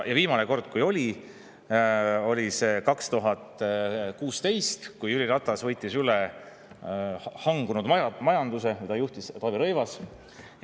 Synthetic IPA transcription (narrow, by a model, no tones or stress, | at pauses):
jɑviːmɑneko̞rd̪̥̚kujo̞lʲi | o̞lʲisekɑkst̪uɦɑt̪ˑkuːst̪e̞jst̪kujylʲiɾɑt̪ˑːɑsvɤ̞jt̪ːˑisyle | hɑŋɡ̥unud̪mɑmɑjɑnd̪̥use̞kujt̪ɑjuht̪ist̪ɑviɾɤjvɑs